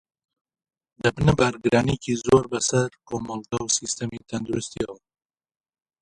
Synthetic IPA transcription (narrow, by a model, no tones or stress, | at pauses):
d̪əbnəbaɾɡɾɑnikizoɾbasaɾkomolt̪awsist̪amit̪and̪ʊɾʊst̪iaw